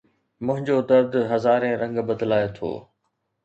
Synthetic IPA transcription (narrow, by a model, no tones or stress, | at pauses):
mʊ̃ɦɪ̃ɲd͡ʑod̪ɐɾd̪ɦɐzaːɾẽːɾɐ̃ŋɡbəd̪laːjot̪ʰo̰ː